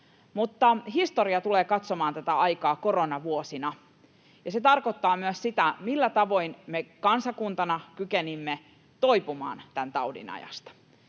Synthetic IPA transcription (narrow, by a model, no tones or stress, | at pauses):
mut̪ːɑɦist̪oɾiɑt̪uleːkɑt̪somɑːnt̪æt̪æɑjkɑːko̞ro̞nɑʋuosinɑ | jɑse̞t̪ɑrko̞t̪ːɑːmyøssit̪æmilːæt̪ɑʋo̞jnmekɑnsɑkunt̪ɑnɑkykenimːe | t̪o̞jpumɑ̰ːnt̪ænt̪ɑudḭnɑ̰jɑ̰st̪ɑ̥